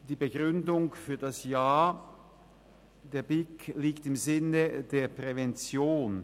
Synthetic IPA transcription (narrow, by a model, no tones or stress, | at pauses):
d̥iːbəɡʁʏndʊŋfyːɐdasjaːɐ | d̥eːɐbɪkʰliːktɪmzɪnədeːɐpʁ̥ɛvɛnt͡sjoːn